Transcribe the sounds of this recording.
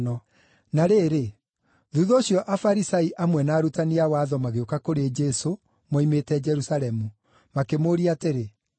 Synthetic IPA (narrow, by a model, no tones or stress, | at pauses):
nɔ | naɾeːɾe | ðuðoːɕjɔʔafaɾisaiʔamwɛnaːɾutaniawaːðɔmaɣeokakoɾed͡ʒɛso | mɔimetɛd͡ʒɛɾusalɛmu | makemoːɾiaːteɾe